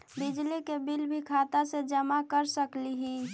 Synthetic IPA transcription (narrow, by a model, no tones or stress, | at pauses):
bɪd͡ʒlikebɪlbʱikʰaːt̪ased͡ʒəmakəɾsəkliɦi